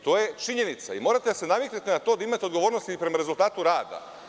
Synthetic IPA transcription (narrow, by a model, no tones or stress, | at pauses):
t̪o̞ːje̞t͡ʃiɲe̞nit̪saimo̞ːɾat̪esenamek̪net̪enat̪od̪aimat̪ed̪ɡo̞ʋoːɾnost̪ipɾe̞maɾe̞zulˠt̪aːt̪uɾaːd̪a̰